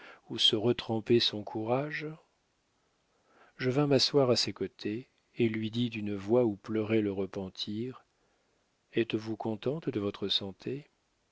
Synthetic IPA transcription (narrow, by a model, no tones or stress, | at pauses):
usəʁət̪χɑ̃pɛsɔ̃kʰuʁaʒ | ʒəvɛ̃maswaʁasekot̪ʰeː | lɥid̪id̪ynəvwauplœʁɛləʁəpɑ̃t̪ʰiʁ | ɛt̪vukʰɔ̃t̪ɑ̃t̪d̪əvɔt̪χəsɑ̃t̪ʰe